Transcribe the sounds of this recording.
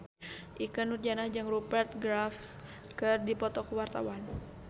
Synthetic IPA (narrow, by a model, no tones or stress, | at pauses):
ʔikənurd͡ʒanahd͡ʒaŋrupɛrt̪̚ɡɾafskɨrdipɔt̪ɔkwart̪a̰wan